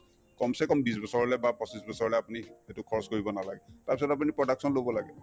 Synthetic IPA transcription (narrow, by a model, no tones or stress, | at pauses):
kɔmsɛkɔmbisbɔsɔɹɔlɛbapɔsisbɔsɔɹɔlɛapunietukʰɔɹɔskoɹibɔnala̰ɡɛtaɹpisɔtap̬unipɹɔdaksɔnlobɔlaɡɛ